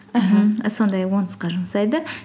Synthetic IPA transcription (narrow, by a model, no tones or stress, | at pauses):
ɦm̩əsond̪ɑjwonsqɑʒʊməsɑjd̪ə